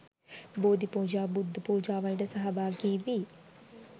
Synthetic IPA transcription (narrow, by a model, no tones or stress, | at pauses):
boːd̪ipuːd͡ʒaːbud̪ʱːɐpuːd͡ʒaːʋɐlɖɐsɐɦɐbaːɡiːʋi